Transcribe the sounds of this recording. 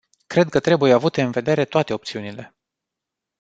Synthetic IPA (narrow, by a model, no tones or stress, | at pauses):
kɾe̞d̪̚kət̪ɾe̞bujeavut̪e̞ɨnve̞d̪e̞ɾe̞t̪oat̪e̞o̞pt̪siunile̞